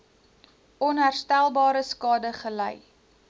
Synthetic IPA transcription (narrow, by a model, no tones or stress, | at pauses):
ʔɔnɦærstælˠbɑːɾəskɑːdəχələ̰j